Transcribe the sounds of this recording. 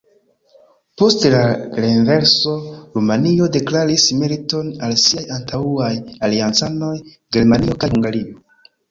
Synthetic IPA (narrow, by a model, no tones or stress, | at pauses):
po̞stelaɾenve̞ɾso̞ɾumanio̞de̞klaɾisme̞ɾito̞nalsiajantauajaliant͡sano̞j | ɡe̞ɾmanio̞kajhuŋɡaɾio̞